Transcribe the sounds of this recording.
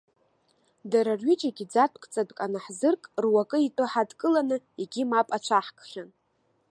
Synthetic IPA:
daɾarɥit͡ʃʼaɡʲid͡zatʰkʼt͡sʼadkʼanaħzɨrkʼrwakʼɨitʼɨħadkʼɨlanɨ | eɡʲimapʼat͡ʃʷʰaħkʰʼχʲan

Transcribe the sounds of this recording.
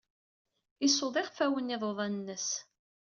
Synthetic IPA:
isoðˤɪʁfæwəniðˤoðˤɑnnːəs

